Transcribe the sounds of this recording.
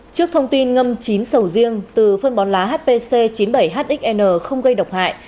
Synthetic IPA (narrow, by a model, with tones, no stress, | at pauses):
t͡ɕɨ˦˥ək̚t̪ʰə˧wŋ͡mt̪i˧nŋə˧mt͡ɕi˨˦nsə˧˩wzi˧əŋt̪ɨ˨˩fə˧nɓɔ˨˦nlaː˨˦ɦaː˦˥t̚pe˧se˧t͡ɕi˨˦nɓə˧˩jɦaː˦˥t̚ɗʔï˦˥k̚ʔɛ˧nəː˧˩xə˧wŋ͡mɣə˧jɗə˨˩wk͡p̚ha̰ː˧˨j